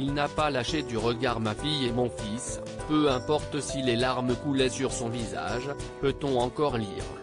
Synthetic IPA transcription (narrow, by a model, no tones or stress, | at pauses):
ilnapalaʃed̪yʁəɡaʁmafijemɔ̃fis | pøɛ̃pɔʁt̪silelaʁməkulɛsyʁsɔ̃viza̰ʒpøt̪ɔ̃ɑ̃kɔʁlḭːʁ